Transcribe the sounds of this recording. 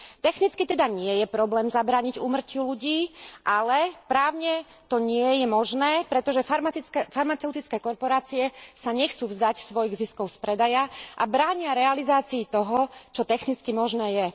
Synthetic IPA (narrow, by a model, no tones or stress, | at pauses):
t̪ɛxnit͡skit̪ɛd̪aɲɪɛjɛpɾɔblɛːmzabɾaːɲiɟuːmr̩culuɟiːʔalɛpɾaːʊɲɛ | t̪ɔɲɪɛjɛmɔʒnɛːpɾɛt̪ɔʒɛfaɾmaifaɾmat͡sɛʊt̪it͡skɛːkɔɾpɔɾaːt͡siɛsaɲɛxt͡suːvzd̪acsʋɔjiɣziskɔʊspɾɛd̪ajaʔa̰bɾaːɲɪaɾɛalizaːt͡siːt̪ɔɦɔt͡ʃɔt̪ɛxnit͡skimɔʒnɛːjɛ